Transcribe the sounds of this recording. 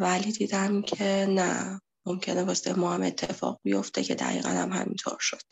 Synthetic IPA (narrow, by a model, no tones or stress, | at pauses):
vælid̪iːd̪æmcʰe̞næ̰ | mo̞mcʰe̞nevɒːst̪ḛjmɒːhæme̞t̪ʰːefɒ̰ːɣ̚bijo̞ft̪ʰe̞cʰe̞d̪æ̰ɣḭːɣæ̰næ̰mhæ̰mint̪ʰo̞ɾʃod̪̥